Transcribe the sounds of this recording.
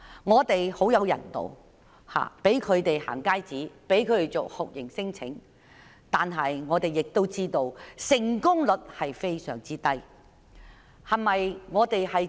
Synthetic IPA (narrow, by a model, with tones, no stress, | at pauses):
ŋɔː˨˧t̪e˨jho˨˥wjɐ˨˧wjɐ̰˨˩nt̪o̰˨w | ha̰ː˨pe˨˥jkʰɵ˨˧ɥt̪e˨jha̰ː˨˩ŋkaː˥jt͡siː˨˥pe˨˥jkʰɵ˨˧t̪e˨jt͡soː˨˩k̚hʊ˨k̚jɪ˨˩ŋsɪ˥ŋt͡sʰɪ̰˨˥ŋ | t̪aː˨nɦɐ˨jŋɔː˨˧t̪e˨jɪ˨k̚t̪o˥wt͡siː˥t̪o˧wsɪ˨˩ŋkʊ˥ŋlɵ˨˥t̚hɐ˨jfe˥jsœ̰ː˨˩ŋt͡siː˥t̪ɐ˥j | hɐ˨nmɐ˨jŋɔː˨˧t̪e˨jhɐ˨j